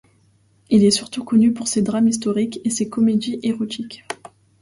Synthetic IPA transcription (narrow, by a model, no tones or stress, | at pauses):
ilɛsyʁt̪ukɔnypuʁsed̪ʁamis̬t̪ɔʁikesekɔmed̪iʔeʁɔt̪ʰikʲ